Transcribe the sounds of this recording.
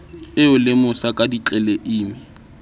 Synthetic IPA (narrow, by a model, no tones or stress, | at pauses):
ɪʊlɪmʊsakʼadit͡ɬʼɛleʔiːmɪ